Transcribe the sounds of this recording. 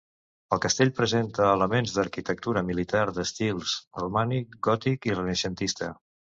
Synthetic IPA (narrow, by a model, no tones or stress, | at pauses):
əlˠkəst̪eʎpɾəzent̪əːləmenzðəɾkit̪ək̚t̪uɾəmilit̪aɾðəst̪ilˠsrumanikɡɔt̪ikirənəsənt̪ist̪ə̰